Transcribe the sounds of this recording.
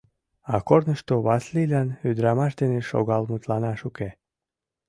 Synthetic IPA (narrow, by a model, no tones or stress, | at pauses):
ɑkornəʃt̪oβɑslilænyd̪ɾɑmɑʃd̪eneʃo̰ɣɑlmut̪lɑnɑʃuke